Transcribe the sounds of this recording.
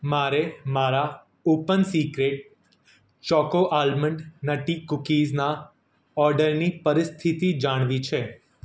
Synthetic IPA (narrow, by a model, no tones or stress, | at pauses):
maɾemaɾa | opənsikɾeʈ̚ | t͡ʃɔkoʔalməɳɖnəʈikʊkizna | ɔɾɖəɾnipəɾɪst̪ʰit̪id͡ʒaɽ̃ʋit͡ʃʰe